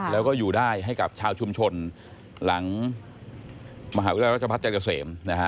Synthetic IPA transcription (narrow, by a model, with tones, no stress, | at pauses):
lɛː˦˥wkɔː˥˩juː˨˩daː˥˩jɦa˥˩jka˨˩p̚t͡ɕʰaː˧wt͡ɕʰu˧mt͡ɕʰo˧n | la˩˦ŋ | maː˧ɦaː˨˦u˥laː˧˩a˦˥˩t͡ɕa˧pʰa˦˥t̪̚t͡ɕa˧nka˧seː˩˦mna˦˥kʰa˦˥